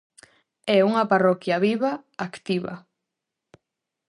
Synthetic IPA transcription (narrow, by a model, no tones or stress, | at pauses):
ɛuŋɐparɔkjaβiβaakt̪iβɐ̰